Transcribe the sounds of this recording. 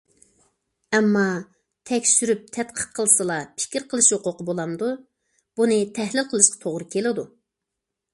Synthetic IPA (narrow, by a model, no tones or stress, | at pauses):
ɛmːɑ | t̪ʰɛkʲsyɾyp̚t̪ʰɛt̪qʰə̥qqʰːəlˠɨsɨlˠɑpʰɪ̥kʲiɾqʰəlˠɨʃjoqʊqəbolˠɑmd̪u | b̥unɨt̪ʰɛhlɪlqʰəlˠɨʃqʰɑ̥t̪ʰoʁɾɨkʲʰelɪd̪u